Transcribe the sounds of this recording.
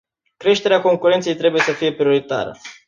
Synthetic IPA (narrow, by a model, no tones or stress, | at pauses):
kɾe̞ʃt̪e̞ɾeako̞ŋkuɾent̪se̞jt̪ɾe̞buje̞səfije̞pɾio̞ɾit̪a̰ɾə̰